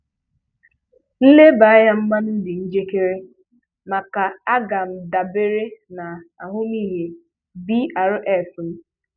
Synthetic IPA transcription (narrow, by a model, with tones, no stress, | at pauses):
n̩˦le˦ba˨a˦ja˦m̩˦ma˦nn̩˦dɪ˨n̩˦d͡ʒe˦ke˦ɾe˦ | ma˨ka˨a˦ɡa˨m̩˨da˨be˦ɾe˦na˨a̰˨ɦʊ˦m˦iː˦ɦe˨ | bi˦a˨ɾʊ˦ʔɛ˦˨fn̩˦